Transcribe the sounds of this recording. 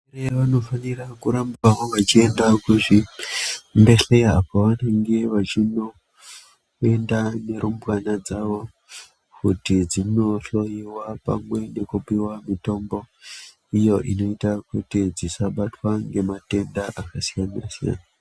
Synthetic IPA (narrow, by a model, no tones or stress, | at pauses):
reʋano̞fanirakuɾambawoʋat͡ʃie̞ndakuʐi | nde̞ɬe̞jaapoʋane̞ŋɡe̞ʋat͡ʃino̞ | e̞ndane̞ɾumbwanad͡zaʋo̞ | kutid͡zino̞ɬo̞jiwapa̰mwe̞ne̞kupiwamito̞mbo̞ | ijo̞ʔino̞itakutid͡zisaɓatwaŋɡe̞mate̞ndaʔakasijanasija̰na